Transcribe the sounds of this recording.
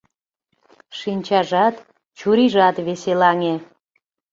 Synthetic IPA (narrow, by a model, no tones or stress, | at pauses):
ʃinʲt͡ɕɑʒɑt̪ | t͡ɕuɾiʒɑt̪βeselɑŋe